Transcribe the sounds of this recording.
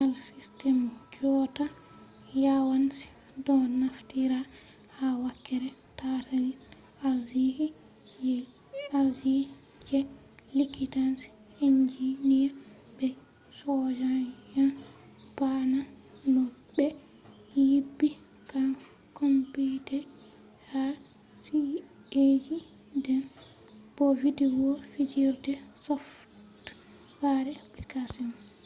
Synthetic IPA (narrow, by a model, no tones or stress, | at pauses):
alsistɛmkɔta | jawansi̥ | dɔnaftiɾa | hawakːɛɾɛtatali | aɾzihi | jɛ | aɾzi | d͡ʒɛ | likitansi̥ | ind͡ʒiniɾbɛ | sɔd͡ʒajan | bananɔbɛ | jibːi | kan | kompitɛ | ha | sied͡ʒi | dɛn | b̥ovidiwɔfid͡ʒiɾdɛsɔf | t | waɾɛaplikasiɔn